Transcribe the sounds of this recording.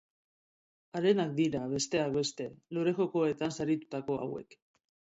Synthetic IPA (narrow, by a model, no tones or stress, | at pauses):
aɾe̞nak̚d̪iɾaβe̞st̪e̞akbe̞st̪e̞loɾe̞xo̞ko̞e̞t̪ansaɾit̪u̥t̪ako̞a̰we̞̰k